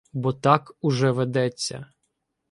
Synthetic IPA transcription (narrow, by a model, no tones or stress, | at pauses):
bɔt̪ɑkʊʒɛʋed̪ɛt͡sʲːɐ̰